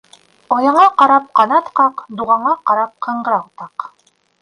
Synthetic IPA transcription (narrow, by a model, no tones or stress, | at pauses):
ɒjɑɴɑqɑɾɑp̚qɑnɑt̪qɑqd̪uʁɑɴɑqɑɾɑp̚qʰɤ̆ɴɢɾɑqt̪ɑq